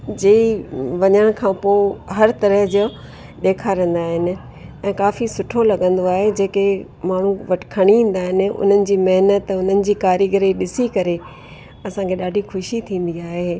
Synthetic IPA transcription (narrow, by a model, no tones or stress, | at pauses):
d͡ʑeiʋɐɲəɽ̃kʰãːpoːɦɐɾt̪ɐɾəɦd͡ʑo | ɗ̪eːkʰaːɾə̃n̆d̪aːɦɪnɪ̆ | ɛ̃ːkaːfisʊʈʰolɐɠə̃nd̪oaːɦed͡ʑeːke | maːɳ̤uʋɐʈkʰɐɽ̃iĩːn̆d̪aːɦɪnɪ̆ʊ̰n̤ənɪ̆d͡ʑiːmɐɦnət̪ʊn̤ənɪ̆d͡ʑiːkaːɾiɡəɾiɗɪsikɐɾe | ɐsãkʰeɗaːɖʱixʰʊʃit̪ʰĩːn̆d̪iaːɦe